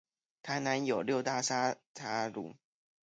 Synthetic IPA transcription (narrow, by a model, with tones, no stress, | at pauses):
t̪ʰa˧˥ɪna˧˦njo˨˩ʊljo˥˧ʊt̪a˥˩sa˥tʰa˥lṵ˨˦